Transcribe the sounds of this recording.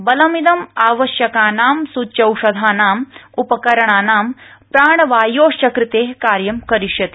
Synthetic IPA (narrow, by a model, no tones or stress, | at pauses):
bɐlɐmid̪ɐmaːʋɐʃjɐkaːnaːmsutːt͡ʃɐwʃɐd̪ʱaːnaːmupɐkɐɾɐɳaːnaːmpɾaːɳɐʋaːjoːʃjɐkɾit̪eːɦkaːɾjɐmkɐɾiʃjɐt̪i̥